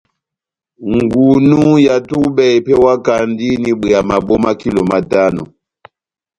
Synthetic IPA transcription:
ŋ˨ɡu˨nu˦ja˨tu˦ɓɛ˨jpɛ˦wa˦ka˨ndi˦ni˨ɓe˨a˨ma˨ɓo˦ma˦ki˦lo˨ma˨ta˦nɔ̰˨

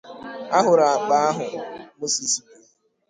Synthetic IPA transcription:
a˦ɦʊ˨ɾa˨a˨k͡pa˦a˦ɦʊ˨mo˦si˨si˨ke˨

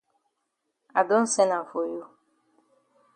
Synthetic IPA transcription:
a˨do˦n̩˦se˦na˨fo˨jo˦

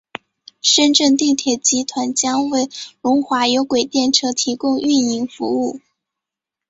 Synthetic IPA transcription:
ʂə˥nʈ͡ʂə˥˧nt̪i˥˩t̪ʰjɛ˨˩t͡ɕi˧˥t̪ʰwa˧˥nt͡ɕjɑ˥ŋwe˥˩ɪlʊ˧˥ŋxwa˧˥jo˧˥ʊkwe˨˩ɪt̪jɛ˥˩nʈ͡ʂʰɤ˧˥t̪ʰi˧˥kʊ˥ŋy˥˩ni˧˥ŋfṵ˧˥u˥˩

